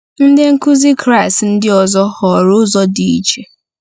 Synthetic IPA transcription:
n̩˦dɪ˦ŋ̩˦kʊ˦zi˦kɾa˦ɪ˨stn̩˦dɪ˦ɔ˨zɔ˦hɔ˨ɾʊ˦zɔ˦di˨i˦t͡ʃe˨

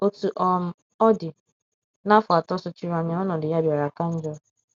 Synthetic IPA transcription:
o˦tu˦ʔɔ˦m̩˦ | ɔ˦dɪ˨ | na˦fʊ˨a˨tɔ˦sʊ˦t͡ʃi˦ɾa˨ɲa˦ɔ˦nɔ˨dɪ˨ja˦bi˨a˨ɾa˨ka˦n̩˦d͡ʒɔ˦

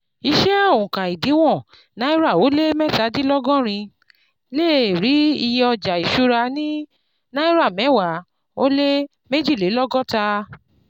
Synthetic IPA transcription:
i˨˦ʃɛ˦õ˦˨ũ˨kã˨i˨di˨˦w̃ɔ̃˦˨ | nã˦i˦ɾa˦˨o˨˦le˦mɛ̃˦ta˨˦di˦lɔ˦ɡɔ̃˦ɾ̃ĩ˧ | leː˦˨ɾi˨˦i˧je˧ɔ˧d͡ʒa˨i˨ʃu˦ɾa˧nĩ˦ | nã˦i˦ɾa˦˨mɛ̃˨˦wa˨˦ | o˦le˦ | me˦d͡ʒi˦˨le˨˦lɔ˦ɡɔ̃˦ta˧

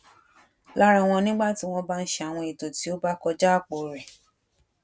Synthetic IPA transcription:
la˦ɾa˧w̃ɔ̃˧nĩ˦ɡ͡ba˦ti˦w̃ɔ̃˦ba˦n̩˦ʃɛ˦a˨w̃ɔ̃˧i˨to˨ti˨˦o˦ba˦kɔ˧d͡ʒa˦˨k͡po˨ɾɛ˨

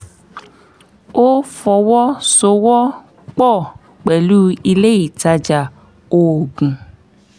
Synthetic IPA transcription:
o˦fɔ˧wɔ˦so˧wɔ˦ | k͡pɔ˦˨ | k͡pɛ˨lu˦i˧le˦i˦˨ta˧d͡ʒa˨ | o˧o˨ɡũ˨

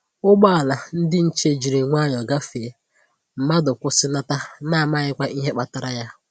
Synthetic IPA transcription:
ʊ˦ɡ͡bɔ˦a˨la˨n̩˦dɪ˦n̩˦t͡ʃe˦d͡ʒi˨ɾe˨ŋʷ˦a˦ɲɔ˨ɡa˦fe˨˦ | m̩˨ma˦dʊ˨kʷʊ˦sɪ˦na˦ta˦na˦˨ma˦ɲɪ˦kʷa˦ʔi˦ɦe˦k͡pa˦ta˦ɾa˦ja˦

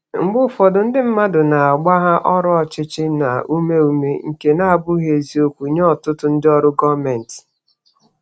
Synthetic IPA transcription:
ŋ͡m̩˨ɡ͡bʊ˦fɔ˨dʊ˨n̩˦dɪ˦m̩˦ma˦dʊ˨na˨a˨ɡ͡ba˦ɦa˦ʔɔ˦ɾʊ˦ɔ˨t͡ʃɪ˦t͡ʃɪ˦na˨ʔu˦me˦u˦me˦ŋ̩˨ke˨na˦a˨bʊ˦ɣe˨zi˨o˦kʷu˨ɲɔ˦˨tʊ˦tʊ˦n̩˦dɪ˦ɔ˦ɾʊ˦ɡɔ˦me˨n̩˨tɪ̥˨

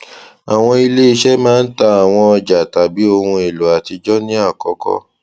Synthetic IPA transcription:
a˨w̃ɔ̃˧i˧le˦i˦˧ʃɛ˦mãː˦n̩˦ta˦˧a˨w̃ɔ̃˧ɔ˧d͡ʒa˨ta˨bi˨˦o˧hũ˧e˨lu˨a˨ti˧d͡ʒɔ˦nĩ˦a˦˨kɔ˨˧kɔ̰˧˦

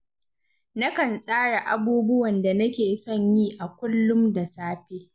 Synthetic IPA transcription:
nɐ˦kɐ˨nsʼaː˦ɽa˨ʔa˨buː˦bʊ˦wɐ˨nda˨nɐ˦kʲeː˨sɔ˦˨ɲjiː˦ʔa˨kʷʊ˦lːʊ˦mda˨saː˦ɸeː˦

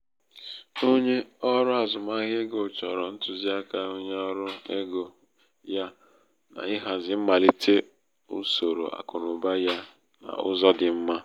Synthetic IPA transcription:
o˦ɲe˦ɔ˦ɾʊ˦a˨zʊ˨ma˦ɣe˦ɡo˨ʊ˨t͡ʃɔ̰˨ɾɔ˨n̩˦tʊ˨zi˦a˦ka˦o˦ɲe˦ɔ˦ɾʊ˦e˦ɡo˨ | ja˦ | na̰˨ɪ˦ɦa˨zɪ˨m̩˦ma˨li˦tʰe˦ | ṵ˦so˨ɾo̰˨ʔa̰˨kʊ˨ɾʊ˨ba˦ja˦ | na̰˨ʊ̰˦zɔ˦dɪ˨m̩˦ma˦

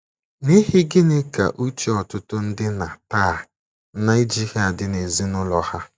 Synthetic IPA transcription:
ni˦ɦɪ˦ɡɪ˦nɪ˦ka̰˨ʔu˦t͡ʃe˦ɔ˨tʊ˦tʊ˦n̩˦dɪ˦na˨taː˦˨ | na˦i˦d͡ʒi˦ha˨dɪ˦ne˨zi˦nʊ˦lɔ˦ha˦

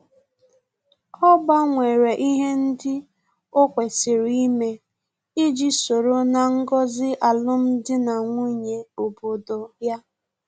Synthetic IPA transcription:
ɔ˦ba˦ŋʷe˨ɾe˨ʔi˦ɦe˦n̩˦dɪ˦ | o˦kʷe˨sɪ˨ɾi˦me˦ | ɪ˦d͡ʒi˦so˨ɾo˨na˨ŋ̩˦ɡɔ˦zɪ˦ʔa˨lʊ˦m̩˦dɪ˦na˨ŋʷu˦ɲe˨o˨bo˨do˨ja˦

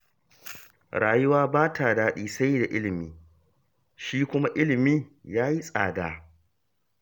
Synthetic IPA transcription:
ɽaː˨jʊ˦waː˦baː˦tʰa˨daː˦ɗiː˦sa˦jda˨ʔɪ˦lɪ˨miː˦ | ʃiː˦kʷʊ˦ma˦ʔɪ˦lɪ˨miː˦jaː˦ji˦sʼa̰ː˨daː˦

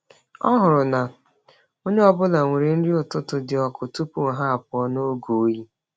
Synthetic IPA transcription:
ɔ̰˦ɦʊ˨ɾʊ˨na˨ | o˦ɲe˦ɔ˦bʊ˦la˨ŋʷe˨ɾe˨n̩˦dɪ˦ʊ˨tʊ˦tʊ˨dɪ˨ɔ˨kʊ˨tu˦pu˦˨ɦa˦a˨pʊ˨ɔ˦no˦ɡo˨˦ji˦

